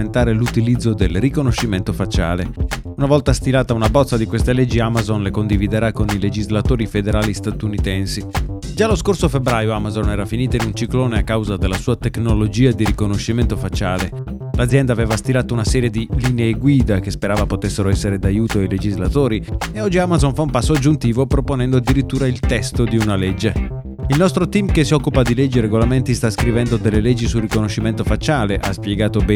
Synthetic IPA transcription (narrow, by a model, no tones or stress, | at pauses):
ent̪aːɾelut̪ilid̪zːod̪elrikonoʃiment̪ofat͡ʃːa̰ːle | unavɔlt̪ast̪ilaːt̪aunabɔt̪sːad̪ikwest̪elɛd͡ʒːiamazonlekond̪ivid̪eɾakoniled͡ʒizlat̪oːɾifed̪eɾaːlist̪at̪unit̪ɛnsid͡ʒaloskorsofebɾaːjoamazonɛːɾafiniːt̪ainunt͡ʃikloːneakːawzad̪elːasuːat̪eknolod͡ʒiːad̪iɾikonoʃːiment̪ofat͡ʃaːle | lad̪zːjɛnd̪aːveːvast̪ilaːt̪ounasɛːɾjed̪iliːneːɡwiːd̪ak̟espeɾaːvapot̪esːeɾoɛsːeɾed̪ajuːt̪oaijled͡ʒizlat̪oːɾieɔd͡ʒːiamazonfaumpasːoad͡ʒːunt̪iːvopɾoponɛnd̪oad̪ːiɾit̪ːuːɾailt̪ɛst̪od̪iunalɛd͡ʒːe | ilnɔst̪ɾot̪imkesːiɔkːupad̪ilɛd͡ʒːiɾeɡolament̪ist̪askɾivɛnd̪od̪elːelɛd͡ʒːisurːikonoʃːiment̪ofat͡ʃːaːleʔaspjeɡaːt̪obɛ